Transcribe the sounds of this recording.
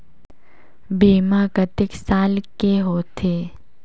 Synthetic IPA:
beːmaɡət̪ɪksaːlkeɦoːt̪ʰeː

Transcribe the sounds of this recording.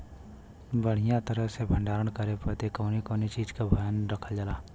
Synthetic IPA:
bəɽ̤ijãt̪əɾəɦsebʱə̃ɳɖaːɾəɽ̃kəɾepət̪ekoːnikoːnit͡ʃiːd͡ʒkabʱəjənɾəkʰəld͡ʒəlaː

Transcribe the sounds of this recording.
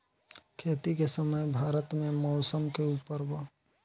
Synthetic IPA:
kʰeːt̪ikesəməjbʱaːɾət̪mẽmɔʊsəmkeupəɾbə

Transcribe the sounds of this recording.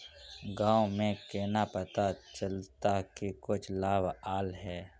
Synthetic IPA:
ɡãːwomẽkeːnapɐt̪at͡ʃɐlt̪akikʊt͡ʃʰlaːbaːlɦɛː

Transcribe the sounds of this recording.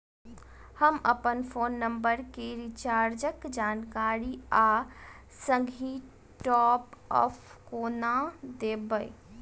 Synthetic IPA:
həməpənpʰoːnːəmbəɾkeɾit͡ʃaɾd͡ʒəkd͡ʒankaɾia | səɡʱi | ʈɔpɔ̰pʰkonad̪ebəj

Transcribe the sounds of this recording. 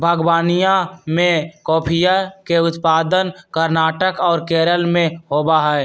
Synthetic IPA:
bʱəɡwaːnijamẽkɔːpʰijakeʊt̪paːd̪ənkəɾnaːʈəkɔːɾkeːɾəlmẽɦoːbaɦɛː

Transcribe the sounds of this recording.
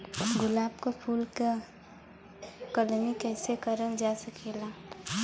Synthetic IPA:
ɡʊlaːb̚kapʰuːlke | kəlmikɛːsekəɾəld͡ʒasəkʰeːla

